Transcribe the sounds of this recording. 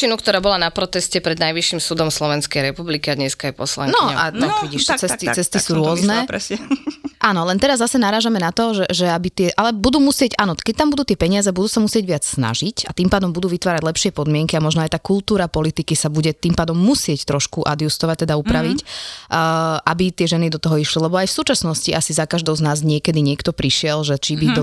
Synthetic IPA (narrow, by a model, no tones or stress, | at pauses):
inukt̪ɔɾaːbɔlanapɾɔt̪ɛscɛpɾɛd̪najʋiʃːimsuːd̪ɔmslɔʋɛnskɛjɾɛpublikiad̪ɲɛskaajpɔsla̰ŋnɔɛa̰t̪ɔiɟiʃt͡sɛt̪it͡sɛst̪isuːɾʊɔznɛɾɛsɛʔaːnɔlɛnt̪ɛɾazːasɛnaɾaːʒamɛnat̪ɔʒɛʒɛabit̪ɪɛʔalɛbud̪uːmusɪɛcʔaːnɔkɛc̚t̪ambud̪uːt̪ɪɛpɛɲɪazɛbud̪uːsamusɪɛɟʋɪat͡ssna̰ʒicat̪impaːd̪ɔmbud̪uːʋit̪ʋaːɾaɟlˠɛpʃɪɛpɔd̪mɪɛŋkiamɔʒnɔajt̪aːkulˠt̪uːɾapɔlit̪ikisabuɟɛt̪impaːd̪ɔmːusɪɛct̪ɾɔʃkuʔa̰d̪just̪ɔʋac̚t̪ɛd̪aupɾaʋicː | ʔabit̪ɪɛʒɛnid̪ɔt̪ɔɦɔiʃlilɛbɔajfsuːt͡ʃasnɔsciʔasizakaʒd̪ɔʊznaːzɲɪɛkɛd̪iɲɪɛkt̪ɔpɾiʃɪɛlʒɛt͡ʃibit̪ɔ